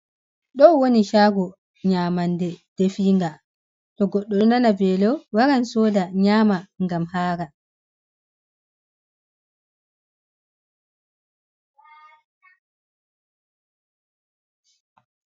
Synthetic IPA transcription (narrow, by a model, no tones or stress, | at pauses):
ɗɔwoniʃaːɡɔ | ɲaːmandɛd̥efiːŋɡa | tɔɡɔɗːɔnanabɛlɔwaɾansɔːdaɲaːmaŋɡamhaːɾa